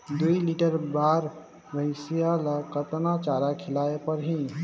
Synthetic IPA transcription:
d̪uiliʈəɾbaɾ | bʱəɪsijalakət̪nat͡ʃaɾakʰɪlaepəɾɦi

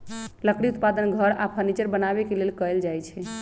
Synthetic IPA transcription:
ləkɽiut̪̚pad̪ənɡʱəɾapʰəɾnit͡ʃəɾbənaβekelelkəeld͡ʒajt͡ʃʰɛ

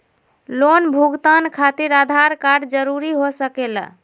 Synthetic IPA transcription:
lonbʱuɡt̪ankʰat̪iɾad̪ʱaɾkaɖd͡ʒəɾuɾiɦosəkelə̰

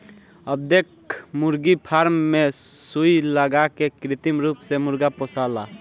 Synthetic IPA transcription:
əb̚d̪ekʰ | muɾɡipʰaɾmːesujləɡakekɾɪt̪imɾuːpsemʊɾɡaposala

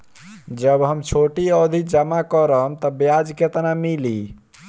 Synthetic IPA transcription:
d͡ʒəbɦəmt͡ʃʰoʈiəd̪ʱid͡ʒəmakəɾəɦmt̪ɔbjad͡ʒket̪namili

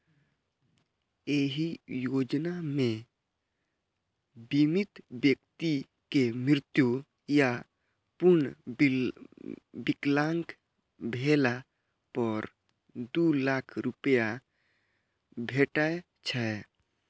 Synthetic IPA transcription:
eːɦijoːd͡ʒnamẽ | bimɪt̪bjək̚t̪i | kemɾɪt̪ju | ja | pʊɾɳ | bɪklaŋk | bʱela | pɔɾ | d̪ulaːkʰɾupəja | bʱeːʈae | t͡ʃʰə

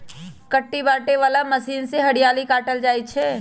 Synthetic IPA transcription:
kəʈːibaːʈeʋaːlaməsiːnseɦɐɽijaːlikaːʈəld͡ʒaːit͡ʃʰɛː

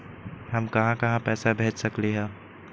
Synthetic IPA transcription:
ɦɐmkɐɦãkɐɦãpɛːsabʱeːt͡ʃsɐkleɦɛ̃ː

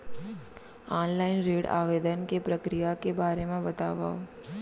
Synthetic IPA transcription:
aːnlaːɪnɾeːɽa̰ːʋeːd̪ənkepɾəkɾijakebaːɾemẽbɐt̪aːʋa̰ːo

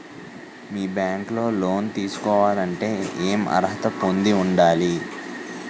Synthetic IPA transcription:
miːbjaːŋklo̞ːlo̞ːnt̪iːsu̥kɔːʋaːlɐɳʈe̞ːeːmɐ̰ɾɦɐt̪ɐpo̞nd̪iuɳɖaːli

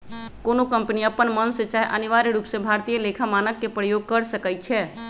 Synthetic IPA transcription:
konokəmpniəpːənmənset͡ʃaɦɛʔəniʋaɾiɾupsebʱaɾt̪ijəlekʰamanəkːepɾəjoɡ̚kəɾsəkəj̪t͡ʃʰɛ

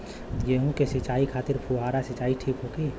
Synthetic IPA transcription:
jeɦũkesɪt͡ʃaːikʰaːt̪ɪɾpʰuɦaːɾasɪt͡ʃaːiʈʰiːkɦoɡi

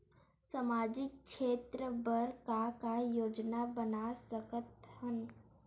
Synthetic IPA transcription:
samaːd͡ʒɪk̚ʃeːt̪ɾəbəɾkakajoːd͡ʒnabənasəkət̪hən

